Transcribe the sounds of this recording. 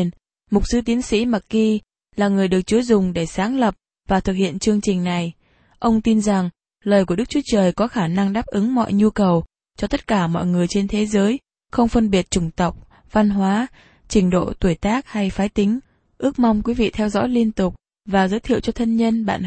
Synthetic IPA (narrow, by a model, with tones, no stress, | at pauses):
n | mʊ˨˩k͡p̚sɨ˨˦t̪i˨˦nsḭ˧˥ma˨˩kki˧ | laː˨˩ŋɨ˨˩əjɗɨ˨˩ək̚t͡ɕu˨˦jzʊ˨˩ŋ͡mɗe˧˩saː˨˦ŋlə˨˩p̚ | vaː˨˩t̪ʰɨ˨˩k̚hḭ˧˨ənt͡ɕɨ˧əŋt͡ɕï˨˩ŋ̟na˨˩j | ʔə˧wŋ͡mt̪i˧nza˨˩ŋ | ləː˨˩jku˧˩ə˩ɗk̚t͡ɕu˨˦t͡ɕəː˨˩jkɔ˨˦xaː˧˩na˧ŋɗaː˦˥p̚ʔɨ˨˦ŋmɔ̰˧˨jɲu˧kə˨˩w | t͡ɕɔ˧t̪ə˦˥t̚kaː˧˩mɔ̰˧˨jŋɨ˨˩əjt͡ɕe˧nt̪ʰe˨˦zəː˨˦j | xə˧wŋ͡mfə˧nɓi˨˩ət̚t͡ɕʊ˧˩ŋ͡mt̪ə˨˩wk͡p̚ | va˧nɦwaː˨˦ | t͡ɕï˧˩ŋ̟ɗo̰˧˨t̪wu˧˩jt̪aː˦˥k̚ha˧jfaː˨˦jt̪ï˨˦ŋ̟ | ʔɨ˦˥ək̚ma˧wŋ͡mkwi˨˦vḭ˧˨t̪ʰɛ˧wzɔ̰ː˧˥jli˧ənt̪ʊ˨˩k͡p̚ | vaː˨˩zəː˨˦jt̪ʰḭ˧˨wt͡ɕɔ˧t̪ʰə˧nɲə˧nɓa̰ː˧˨n